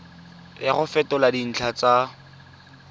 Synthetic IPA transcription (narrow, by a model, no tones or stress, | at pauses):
aχʊfɛtɔladin̩t͡ɬʰat͡sa